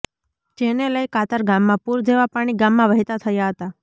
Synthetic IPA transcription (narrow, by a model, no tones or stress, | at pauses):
d͡ʒeneləjkat̪əɾɡamːãpuɾd͡ʒeʋapaɽ̃iɡamːãʋəɦit̪at̪ʰəjaɦət̪a